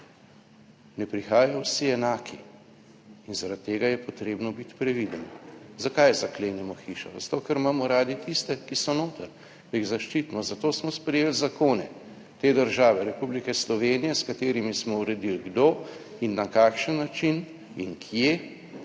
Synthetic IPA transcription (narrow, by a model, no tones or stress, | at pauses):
nɛpɾixaːjawsiɛnaːkiː | nzaɾat̪t̪ːeːɡajɛpɔt̪ɾeːbnɔbit̪pɾɛʋid̪ənɔzakajzakleːnɛmɔxiːʃazat̪oːkɐɾmamɔɾaːd̪it̪ist̪ɛkisɔnoːt̪ɐɾ | d̪̥ɐiɣzaʃt͡ʃit̪imɔzat̪oːsmɔspɾɛjeːlzakoːnɛ̰ | t̪eːd̪əɾʒaːʋɛɾɛpublikɛslɔʋeːnijɛskat̪eːɾimismɔuɾɛd̪ilɡd̪oː | inːakakʃənːat͡ʃin | iŋkʰje